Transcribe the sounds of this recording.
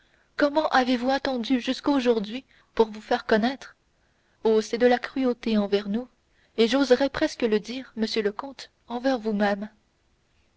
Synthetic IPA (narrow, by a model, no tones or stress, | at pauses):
kɔmɑ̃ʔavevuɛ̃t̪ɑ̃d̪yʒyskoʒuʁd̪ɥi | puʁvufɛʁkɔnɛt̪χ | osɛd̪əlakχyot̪eɑ̃vɛʁnu | eʒozʁɛpχɛskələd̪iːʁməsjøləkɔ̃t̪ | ɑ̃vɛʁvumɛm